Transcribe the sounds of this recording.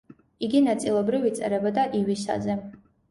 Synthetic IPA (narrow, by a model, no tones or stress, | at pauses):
iɡinat̪sʼilˠɔbɾivit̪sʼɛ̰ɾɛbɔd̪aʔiwisa̰zɛ